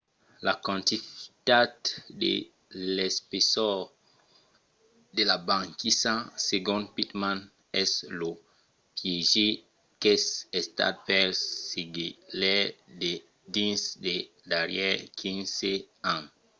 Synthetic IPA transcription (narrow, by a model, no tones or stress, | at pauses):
lakãnt̪ift̪addḛ | lɛspesɔ | d̪elabãŋkisãseɡɔ̃n̚pit̪mãn | ɛslo | pjeʒe | kɛsest̪a̰d̪̚pɛlsiɡilɛde | dĩnsd̪e | daɾjɛkʰĩnse | ã